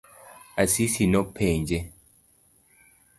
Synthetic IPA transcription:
asisinopʰːend͡ʒe

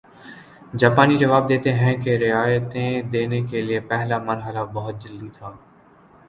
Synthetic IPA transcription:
d͡ʒaːpaːnid͡ʒəʋaːb̚d̪eːt̪eɦɛ̃keɾɪaːjət̪ẽːd̪eːnekelɪepɛɦlaːməɾɦəlabɐɦʊt̪̚d͡ʒəld̪it̪ʰaː

